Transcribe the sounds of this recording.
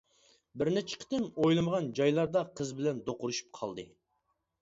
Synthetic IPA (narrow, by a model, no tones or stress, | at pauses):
bɪɾnɛt͡ʃʰɪ̥kʲʰɪ̥t̪ɪnojlˠɨməʁɑnd͡ʒɑjlˠɑɾd̪ɑqʰəzbɪlɛnd̪oqʊɾuʃu̥p̚qʰɑ̰lˠd̪ɨ